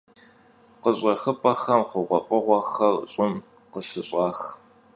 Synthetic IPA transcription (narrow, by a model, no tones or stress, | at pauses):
qəɕʼɐxɨpʼɐxɐmχʷʊʁʷɔfʼɨʁʷɔxɐrɕʼɪm | qəʃɪɕʼɑːx